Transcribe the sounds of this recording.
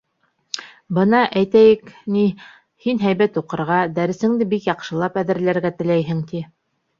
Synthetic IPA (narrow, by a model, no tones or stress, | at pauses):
bɤ̆nɑʔæjt̪æjɘkni | hinɦæjβæt̪uqɤ̆ɾʁɑd̪æɾɘ̆sɘ̆ŋd̪ɘbikjɑqʃɤ̆lˠɑpæðɘ̆ɾlæɾɡæt̪ɘ̆læjɦɘŋt̪i